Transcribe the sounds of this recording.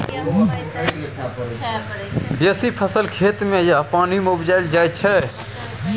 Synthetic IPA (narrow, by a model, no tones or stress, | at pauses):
kʰ | b̪eːsipʰəsəlkʰeːt̪mẽjapaːnimeʊbd͡ʒaːɪld͡ʒaːjt͡ʃʰɛ